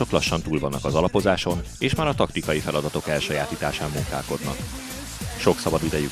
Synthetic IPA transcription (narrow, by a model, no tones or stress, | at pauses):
o̞klɒʃːɒnt̪uːlvɒnːɒkɒzɒlɒpo̞zaːʃo̞n | eːʃmaːɾɒt̪ɒkt̪ikɒjifɛlɒd̪ɒt̪o̞kɛlʃɒjaːt̪iːt̪aːʃaːmːuŋkaːlko̞d̪nɒ̰k | ʃo̞ksɒbɒd̪id̪ɛjy